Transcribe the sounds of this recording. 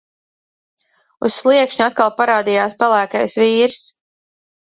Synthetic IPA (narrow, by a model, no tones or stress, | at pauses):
ṵsːlˠiɛkʃɲuat̪̚kalˠpaɾaːd̪ijaːspɛlˠæːka̰jsviːɾs